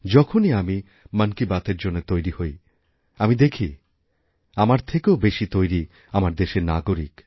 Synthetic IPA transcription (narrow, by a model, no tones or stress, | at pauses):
d͡ʒɔkʰoniami | mənkibat̪eɾd͡ʑonːet̪ojɾihoj | amid̪ekʰi | amaɾt̪ʰekeobeʃit̪ojɾi | amaɾd̪eʃenaɡoɾik